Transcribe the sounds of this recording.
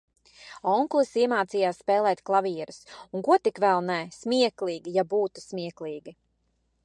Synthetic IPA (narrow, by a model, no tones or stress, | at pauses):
ɔŋklˠisiɛmaːt̪siːjaːsspɛːlˠɛːt̪klˠaviɛɾusuŋkuɔt̪ikvɛlˠnɛsmʲiɛklˠiːɡijabuːt̪u̥smʲiɛklˠiːɡi